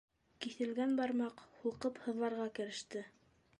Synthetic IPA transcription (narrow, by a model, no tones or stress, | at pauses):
kiθɘ̆lɡænbɑɾmɑqhulˠqɤphɤ̆ðlˠɑɾʁɑkɘ̆ɾɘ̆ʃt̪ɘ